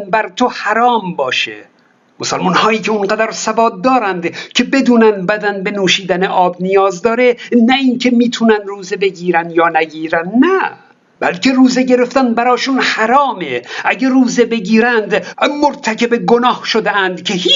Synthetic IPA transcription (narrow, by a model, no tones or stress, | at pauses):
nbæɾt̪ʰohæɾɒːmbɒːʃḛ | mosælmunhɒːiːcʲʰeonɢæd̪æɾsævɒːd̪̚ːɒːɾænd̪cʰe̞bed̪uːnænd̪bæd̪ænbe̞nuːʃiːd̪æneʔɒːbnijɒːzd̪ɒːɾe̞næiːnkʰe̞miːt̪ʰunænruːzebe̞ɡiːɾænd̪jɒːnæɡiːɾænnæ | bælkʲʰe̞ɾuːzeɟe̞ɾeft̪ænbæɾɒːʃunhæɾɒːmeʔæɟeruːzebe̞ɡiːɾænd̪moɾt̪ʰækʲebeɡonɒːhʃod̪eænd̪kʲʰeh